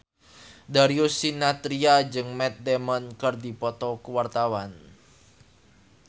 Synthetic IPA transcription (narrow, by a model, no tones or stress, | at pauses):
daɾiusinat̪ɾiad͡ʒɨŋmɛt̪̚dɛmɔnkɨrdipɔt̪ɔkəwart̪awan